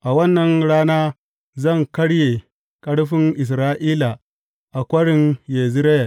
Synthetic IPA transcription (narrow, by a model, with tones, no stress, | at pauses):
ʔa˨wɐ˦nːɐ˨ŋɽaː˦naː˦ | zɐ˦˨ŋkɐ˦ɽje˨ | kʼɐ˦ɽɸɪ˦ŋʔɪ˨s̬ɾaː˦ʔiː˦la˨ | ʔa˨kʷɐ˦ɽɪ˨njeː˨zɪ˦ɾɐ˦ja˨